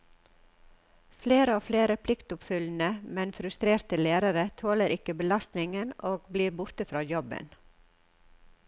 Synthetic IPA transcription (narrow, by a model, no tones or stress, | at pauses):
fleːɾəoːfleːɾəpʰlɪkt̪ʊpfʏln̩əmɛnfɾʉst̪ɾeːɾt̪əleːɾəɾət̪ʰoːləɾʔɪkəbəlɑst̪nɪŋənoːɡbliːɾbʊɾt̪əfɾɑːjɔbə̰n